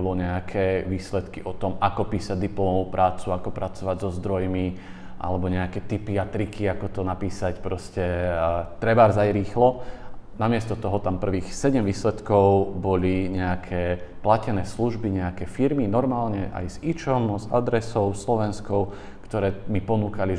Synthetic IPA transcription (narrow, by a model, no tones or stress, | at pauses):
lɔɲɛakʰɛʋiːslɛt̪kiʔɔt̪ɔmakɔpiːsaɟd̪iplɔɔmɔʋuːpɾʔaːt͡suakɔpɾat͡sɔʋaɟzɔzd̪ɾɔjmi | ʔa̰lɛbɔɲɛakɛːt̪ipiat̪ɾikʰiakɔt̪ɔnapiːsacpɾɔscɛt̪ɾɛbaɾzajɾiːxlɔnamɪɛst̪ɔt̪ɔɦɔt̪ampr̩ʋiːxsɛɟɛmʋiːslɛt̪kɔʊbɔliɲɛakʰɛːplacɛnɛːsluʒbiɲɛakɛfiɾminɔɾmaːlɲɛʔa̰jzit͡ʃɔmza̰d̪ɾɛsɔʊslɔʋɛnskɔʊ | kt̪ɔɾɛːmipɔnuːkali